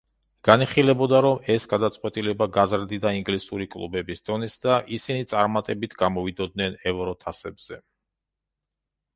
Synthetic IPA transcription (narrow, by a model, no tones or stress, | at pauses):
ɡ̥aniχilɛbɔd̪aɾɔmɛsɡad̪at̪sʼqʼwɛt̪ʼilɛbaɡazɾd̪id̪aiŋɡlisuɾikʼlˠṵbɛbisd̪̥ɔnɛsd̪aʔisinit̪sʼaɾmat̪ʼɛbit̪ʰɡamɔvid̪ɔd̪̚nɛnɛvɾɔt̪ʰasɛbz̥ɛ